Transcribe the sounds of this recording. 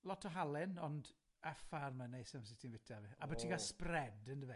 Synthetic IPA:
lˠɔtʰɔɦalˠɪnɔnd | afarmənejsəms̬ɪtʰinvɪtʰaviabɔtʰiɡasprɛdəndəvɛ

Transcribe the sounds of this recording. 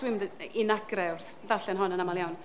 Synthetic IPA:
wɪmdɪnaɡrɛwrθ | vaɬɛnɦɔnənamaljawn

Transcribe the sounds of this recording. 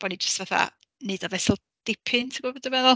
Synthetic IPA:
b̥ɔnid͡ʒə̥stvaθa̰ | nɨd̥ɔvɛsɪlˠ | d̥ɪpʰɪntʰəɡ̥wəbɔdəmɛðʊ

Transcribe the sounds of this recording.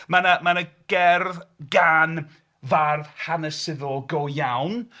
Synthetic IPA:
manamanəɡ̥ɛrðɡan | varðhanəsɪðɔɡɔjawn

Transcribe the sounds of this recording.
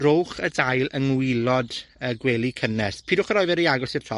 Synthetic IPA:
rowχədajlˠəŋwɪlˠɔdəɡwɛːlˠikʰənɛspʰiːdʊχəɾɔɨvɛɾəaɡɔsɪrtʰɔ

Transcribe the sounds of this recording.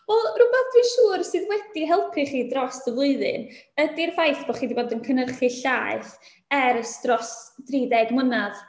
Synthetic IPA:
ɔrʊbɛθd̥wɨːnʃuːrsɨːðwɛdiɦɛlˠpʰɨχiːdrɔsdəvlˠʊɨðɨ̰nədirvajθb̥ɔχiːdiboːdənkʰənərχɨɬaːɨθ | ɛɾəsdrɔsd̥riːdɛɡmənað

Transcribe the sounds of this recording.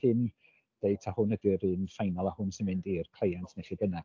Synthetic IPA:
ɪn | d̥eɨtʰahʊnədɪɾɨːnfajnɔlˠahʊnsɪnvɨndirkʰl̥ejantʰnɛχibəna

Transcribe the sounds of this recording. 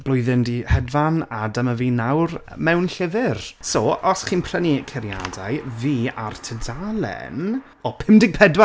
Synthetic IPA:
b̥lˠʊjðɪndihɛdvanadəməviːnawr | mɛwnɬɪvɪrsoɔsχiːnpʰr̥ənikʰɛɾja̰dajviːa̰rtʰədalˠɛ̰n | ɔpʰɪmdɪɡ̚pʰɛdwa

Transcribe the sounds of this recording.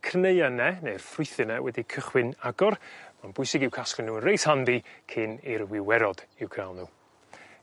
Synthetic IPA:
kʰrnejanɛnejrfrʊɨθɨnɛwɛdikʰəχwɪnaɡɔrmanbʊjsɪɡɪwkʰasklɪnːuːənrejshandikʰɪnirwɪwɛɾɔd̥ɪwkʰalˠnuː

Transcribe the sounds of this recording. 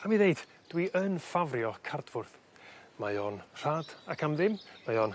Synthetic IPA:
amiðejd̥ | d̥wiʔənfavrjɔkʰard̥vʊrθ | majɔnr̥aːd̥akʰamðɪmmajɔn

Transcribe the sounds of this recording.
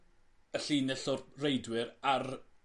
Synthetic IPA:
əɬiːnɛɬʊrrejdwɪɾar

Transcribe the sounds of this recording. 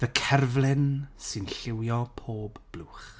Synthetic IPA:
ðəkʰɛrvlˠɪnsɨnɬɪwjɔpʰoːbb̥lˠuːχ

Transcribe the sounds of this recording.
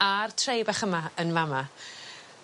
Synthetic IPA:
artʰrejbaχəmaənvama

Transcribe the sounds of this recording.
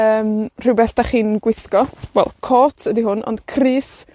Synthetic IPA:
əːmr̥ɪwbɛɬd̥aχiːnɡwɪskɔwɛ̰lˠkʰɔːtʰədiɦʊnɔ̰nd̥kʰriːs

